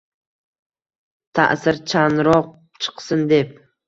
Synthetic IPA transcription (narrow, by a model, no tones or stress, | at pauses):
t̪ʰa̰ʔsɪɾt͡ʃʰanɾɒq̚ | t͡ʃʰɨ̥qsɪnd̪e̞p̚